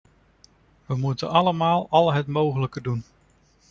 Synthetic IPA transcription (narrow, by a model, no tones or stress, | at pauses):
ʋəmutənɑləmaːlˠɑlˠɦətmowχələkədun